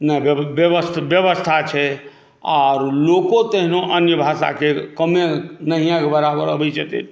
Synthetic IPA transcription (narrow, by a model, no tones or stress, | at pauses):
nəbjəʋəst̪bjəʋəst̪ʰat͡ʃʰɛ | a̰ɾlokot̪eɦnoʔənjəbʱasa̰kekəmenəɦijãkebəɾabəɾəbit͡ʃʰɛt̪ḛn